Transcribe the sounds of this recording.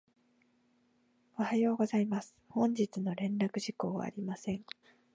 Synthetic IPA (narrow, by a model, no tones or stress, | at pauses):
o̞hajo̞ːɡo̞zaimasɨ̥hõ̞ɲd͡ʑit͡sɨno̞ɾẽ̞nɾakɯ̟ʑiko̞ːβa̰ːɾʲimasẽ̞ŋ